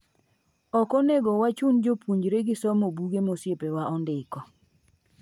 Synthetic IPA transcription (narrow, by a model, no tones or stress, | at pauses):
ɔkɔneɡɔwat͡ʃund͡ʒopuɲd͡ʒɾeɡɪsɔmobuɡemosjepewaɔndɪkɔ